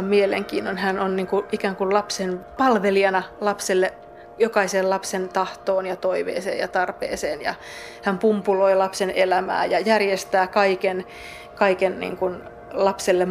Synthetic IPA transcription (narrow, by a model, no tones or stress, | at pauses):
mmielḛŋkḭːnːonhænonniːŋkuʔikæːŋkullɑpsenpɑlʋeliɑnɑlɑpselːe | jokɑiseːllɑpsent̪ɑht̪oːnjɑt̪oiʋḛːsḛːjjɑt̪ɑrpḛːseːnjɑ̰ | hæmpumpuloilɑpsenelæmæ̰ːjɑjærjest̪æːkɑiken | kɑikennḭːŋkun | lɑpselːem